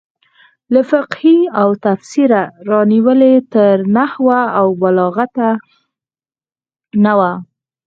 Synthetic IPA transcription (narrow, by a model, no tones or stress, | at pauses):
lafɪqhiawt̪afsiɾaɾɑniwəlet̪əɾnahwaːwbalɑɣat̪a | nawa